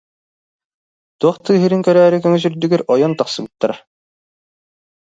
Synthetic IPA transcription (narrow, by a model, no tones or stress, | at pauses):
t̪uɔχt̪ɯːɦiɾiŋkœɾæːɾikœŋœz̬yɾd̪yɡyɾɔjɔnt̪ɑqsɯbɯt̪ːaɾa